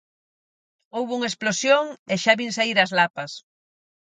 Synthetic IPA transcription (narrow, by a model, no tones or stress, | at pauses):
owβuŋaesplosjoŋeʃaβinsaiɾɐzlapɐs